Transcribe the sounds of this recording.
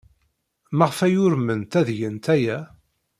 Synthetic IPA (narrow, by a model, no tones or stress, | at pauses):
mæʁfæjʊɾmənt̪æðʝənt̪æjæ